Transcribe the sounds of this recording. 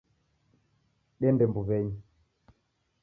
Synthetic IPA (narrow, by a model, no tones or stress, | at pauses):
ɗɛndɛmbuβɛɲi